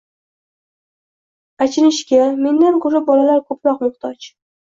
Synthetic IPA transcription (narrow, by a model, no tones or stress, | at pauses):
at͡ʃʰɪɾɪʃkʲame̞nd̪ankʰʊɾɪp̚bɒlalaɾkʰɵpɾɒqmʊχt̪ʰɒt͡ʃ